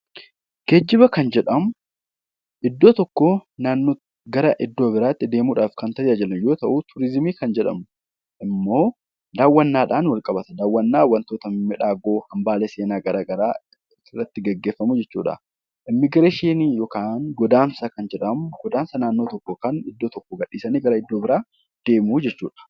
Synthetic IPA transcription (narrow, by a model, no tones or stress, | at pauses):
ɡ̥ɛd͡ʒːɪbɐkɐnd͡ʒɛᶑɐmʊ | ʔɪd̪ːo̞ːt̪ɔkːoːnaːnːoː | ɡɐɾɐʔɪd̪ːo̞ːbɪɾaːt̪ːɪd̪e̞ːmuːᶑaːfkɐnt̪ɐʔɪʔɐd͡ʒɐlɐnjo̞ːt̪ɐʔut̪ʰʊɾɪzmiːkɐnd͡ʒɛᶑɐ̰mʊ | ʔɪmːo̞ː | d̪aːwːɐnːaːᶑaːnwɐlkʼɐbɐt̪ɐd̪aːwːɐnːaːwːɐnt̪oːt̪ɐmɪᶑaːɡo̞ːhɐmbaːleːse̞ːnaːɡɐɾaːɡɐɾaː | ɪrːɐt̪ːɪɡɐɡːeːfːɐmud͡ʒɛt͡ʃːṵːᶑɐ̰ | ʔɪmːɪɡɪɾeʃeːnijɔkaːnɡɔd̪aːnsɐkɐnd͡ʒɛᶑɐmʊɡɔd̪aːnsɐnaːnːo̞ːt̪ɔkːoːkɐnɪd̪ːoːt̪ɔkːoɔɡɐɗːiːsɐniːɡɐɾɐɪd̪ːoːbɪɾaː | d̪̥e̞ːmuːd͡ʒɛt͡ʃːuːᶑɐ̥